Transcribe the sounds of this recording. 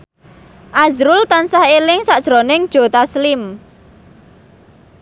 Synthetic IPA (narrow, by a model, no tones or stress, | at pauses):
ʔazɾʊlt̪ansahelɪŋsad̥ʒ̥ɾonɪŋd̥ʒ̥o̤t̪aslɪm